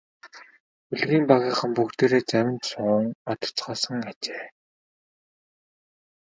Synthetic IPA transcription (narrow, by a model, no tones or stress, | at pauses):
uɮɣiːmpaɣʲiːχə̆mpukt̪eːɾeːt͡sæwʲɪ̆nt̪sʊːŋat̪ʊ̥t͡sɢɔːsə̆ŋat͡ɕeː